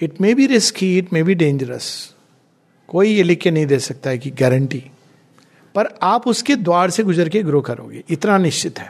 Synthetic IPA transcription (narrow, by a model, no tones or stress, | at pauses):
ɪʈmeːbʱiɾɪskʰiɪʈmeːbʱiɖẽːnd͡ʒəɾə̰s | koːijelɪkːenɐɦĩd̪eːsɐk̚t̪aɦɛkiɡɛːɾəɳʈiː | pɐɾaːpʊsked̪waːɽseɡʊzəɾkeɡɾoːkɐɾõ̰ːɡḛːʔɪt̪nanɪʃt͡ʃɪt̪ɦɛː